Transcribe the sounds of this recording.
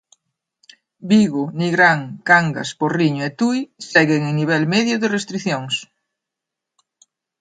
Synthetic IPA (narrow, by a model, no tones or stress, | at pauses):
biɣʊniɣɾaŋkaŋɡɐ̰sporiɲʊet̪ujsɛɣeŋeniβ̞ɛlmɛðjʊðɪrest̪ɾiθjoŋs